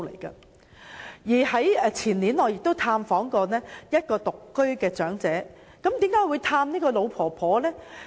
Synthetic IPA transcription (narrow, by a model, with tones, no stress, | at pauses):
lḛ˨˩jkɐ̰˧ | jiː˨˩hɐ˨˥jɛ˨˧t͡sʰiː˨˩nliː˨˥nɔː˨˧jɪ˨k̚t̪o˥wt̪ʰaː˧mfɔː˨˥ŋkɔː˧nɛː˥jɐ˥t̚kɔː˧t̪ʊ˨kːɵ˥ɥkɛː˧t͡ʃœː˨˥ŋt͡sɛː˨˥ | kɐ˨˥mt̪iː˨˥mkaː˨˥jwu˨˧jt̪ʰaː˧mniː˥kɔː˧lo˨˧wpʰɔː˨˩pʰɔː˨˥lɛː˥